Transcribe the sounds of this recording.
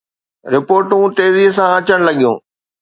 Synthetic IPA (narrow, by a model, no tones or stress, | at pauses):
ɾɪpoːɾʈũt̪eːziɦsãɐt͡ɕəɽ̃lɐɠijṵ̃ː